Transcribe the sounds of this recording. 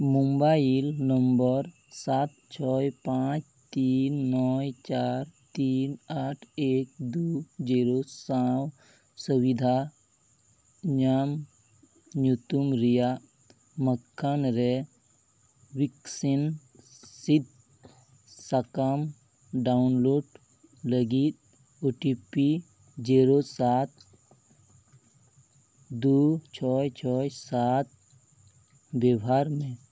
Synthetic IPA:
mumbajilnəmbəɾ | sat̪̚t͡ʃʰɔjpãt͡ʃ | t̪iːnːɔjt͡ʃaɾt̪iːnaʈʰeːk̚d̪ud͡ʒiɾosaw | suwid̪ʱa | ɲam | ɲut̪umɾija | məkʰːanɾe | wiksin | sid̪̚ʱ | sakam | ɖaunloːɖ | ləɡit̪̚ | uʈipi | d͡ʒeɾosat̪̚ | d̪ut͡ʃʰɔjt͡ʃʰɔjsat̪̚ | bebaɾmẽ

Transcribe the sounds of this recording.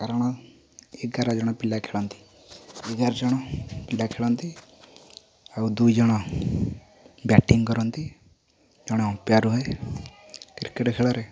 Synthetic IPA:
kaɾɔɽ̃ɔ | ek̚ɡʱaɾad͡ʒɔɽ̃ɔpilakʰeɭɔnt̪i̥ | ekɡaɾd͡ʒɔɽ̃ɔpilakʰeɭɔnt̪i | aud̪ujd͡ʒɔɽ̃ɔ | bɛʈiŋɡkɔɾɔnt̪i | d͡ʒɔɽ̃ɔɔ̃pjaɾuɦɔe | kɾkeʈkʰeɭɔɾe

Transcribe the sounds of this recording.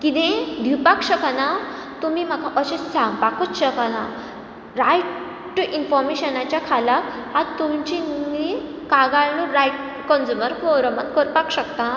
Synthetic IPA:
kid̪ẽd̪ʱipakɕəkana | t̪umim̤akaʔəɕesãŋpakut͡sɕəkana | ɾajʈ | ʈuʔinfɔɾmeɕənat͡ɕjakʰalak | adt̪umt͡ɕii | kaɡaɭnuɾajʈ | kɔnd͡ʑuməɾfɔɾəmat̪kəɾpakɕəkt̪a

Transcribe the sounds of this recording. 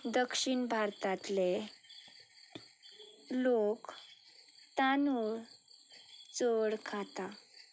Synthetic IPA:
d̪əkʂiɳbʱaɾt̪at̪le | lok | t̪anu | t͡soɽkʰat̪a

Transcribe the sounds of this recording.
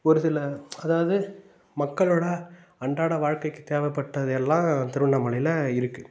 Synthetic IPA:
ɔɾɯsɪlɐɐðaːʋɐðɯ | mɐkːɐɭoːɽɐ | ɐɳɖaːɽɐʋaːɻkɐɪkːɯt̪eːʋɛpːɐʈːɐðɯɛlːãːt̪ɪɾɯɳːɐmɐɭɪlɐɪɾɯkːɯ

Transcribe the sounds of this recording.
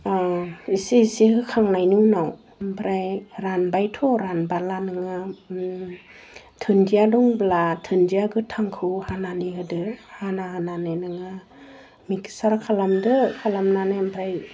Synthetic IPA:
aisisihɯkʰaŋnajnunaw | mpʰɾajɾanbajtʰɔɾanbalanɯŋa | tʰɯndiadɔŋblatʰɯndiaɡɯtʰaŋkʰɯhananiɦɯdɯhanaɦanananɯŋa | miksaɾkʰalamdɯkʰalamnanambʰɾaj

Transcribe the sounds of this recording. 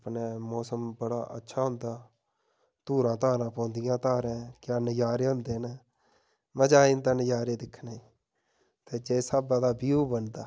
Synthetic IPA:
pneːmɔːsəmbəɽa̰ːʔə̰tːʃʰaːɦʊ̃nd̪aː | t̪uːɾãːt̪aːɾãːpɔ̃ːnd̪ɪjãːt̪aːɾẽːkɪjaːnəjaːɾeːɦʊ̃nd̪eːnː | məd͡ʒaːint̪ãːnəjaːɾeːd̪ɪkʰːnːi | t̪eːd͡ʒeːsabd̪ãːd̪aːbiːoːbənd̪aː

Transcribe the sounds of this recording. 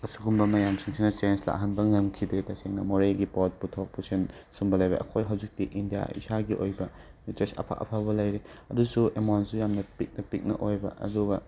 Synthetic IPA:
ɐsuɡumbɐmɐjamsʰiŋsʰinɐt͡ʃensla̰ɦɐnbɐŋɐmkʰidetɐseŋnɐmoɾeɡipot̚putʰok̚pusʰensumbɐlɐjbɐ̰ʔɐ̰kʰojɦɐwd͡ʒik̚tiʔindija̰ḭsaɡiʔo̰jbɐ | itɾesɐ̰pʰa̰ʔɐ̰pʰaβɐlɐjɾeɐdusuemansujamnɐpik̚nɐpik̚nɐ̰ʔojbɐ̰ʔɐ̰duɡɐ

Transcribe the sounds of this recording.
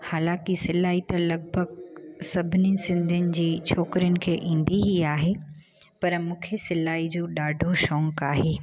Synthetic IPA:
haːlãːkisɪlaːit̪ɐlɐɡ̚bʱəɡsɐbʱɪnisɪ̃nd̪ʱənɪ̆d͡ʑiːt͡ɕʰoːkɾijʊnɪ̆kʰeːʔĩːn̆d̪iɦiaːɦe | pɐɾmũːkʰesɪlaːid͡ʑoːɗaːɖʱoʃɔ̃ːŋkaːɦeː

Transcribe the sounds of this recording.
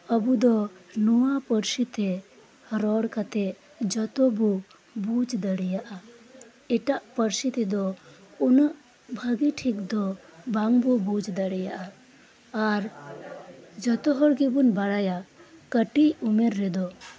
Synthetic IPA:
əbud̪ɔnuwapəɾsit̪ɛ | ɾɔɽkat̪ɛʔ | d͡ʒɔt̪ɔbɔ | bud͡ʒd̪əɽɛjaʔa | ɛʈaʔpəɾsit̪ɛd̪ɔunəʔ | bʱəɡiʈʰik̚d̪ɔbaŋbɔbud͡ʒd̪əɽɛjaʔaː | ɾ | d͡ʒɔt̪ɔɦɔɽɡibunbaɽajakəʈiumɛɾːɛd̪ɔ

